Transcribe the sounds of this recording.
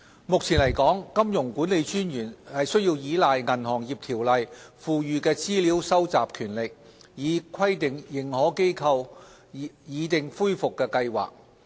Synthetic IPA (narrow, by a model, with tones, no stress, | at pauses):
mʊ˨k̚t͡sʰiː˨˩nlɐ˨˩jkɔː˨˥ŋkɐ˥mjʊ˨˩ŋkuː˨˥nle˨˧jt͡ʃyː˥njyː˨˩nhɐ˨jsɵ˥ɥji˧wjiː˨˥laː˨jŋɐ˨˩nhɔː˨˩ŋjiː˨˩p̚t̪ʰiː˨˩wlɐ˨˧jfuː˨jyː˨˧kɛː˧t͡siː˥liː˨˥wsɐ˥wt͡sa̰ː˨p̚kʰyː˨˩nlɪ˨k̚jiː˨˧kʰɐ˥jt̪ɪ˨˩ŋjɪ˨ŋhɔː˨˥ke˥jkʰɐ˧w | jiː˨˧˥t̪ɪ˨ŋfuː˥jfʊ˨kːɛː˧kɐ˧jwa̰ː˨˩k̚